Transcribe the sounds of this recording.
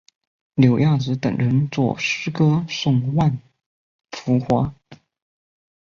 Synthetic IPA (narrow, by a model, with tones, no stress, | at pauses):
ljo˨˩ʊjɑ˥˩ŋt͡sɹ̩˧˥t̪ə̰˨˩ŋɻə˧˥nt͡swɔ̰˥˩ʂɻ̩˥kɤ˥sʊ˥˩ŋwa˥˩n | fu˧˥xwa˧˥